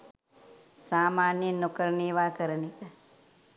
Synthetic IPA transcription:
saːmaːnjənukəɾniːʋaːkəɾənikɐ

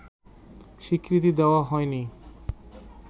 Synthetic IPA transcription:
ʃikɾit̪̬id̪ɛoaɦɔeni

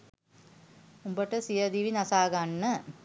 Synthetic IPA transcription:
umbəʈəsijəd̪iʋinasaːɡanːə

